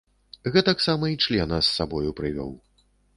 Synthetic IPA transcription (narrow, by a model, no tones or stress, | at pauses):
ɣɛt̪ɐksamɐit͡ʂlʲɛnɐsːabɔjupɾɨvʲɔ̰w